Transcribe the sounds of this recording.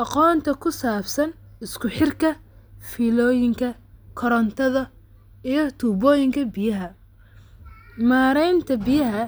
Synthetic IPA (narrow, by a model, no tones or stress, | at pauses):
ʔɑqɔːnt̪ʰɐkʰʊsaːbsɐn | ɪskʰʊħɪrkʰɐfiːlɔːjɪŋkʰɐ | kʰɔɾɐnt̪ʰɐðɐ | ijɞt̪ʰuːbɔːjɪŋkʰɐbɪjɐɦɐ | maːɾɛjnt̪ʰɐbɪjɐɦɐ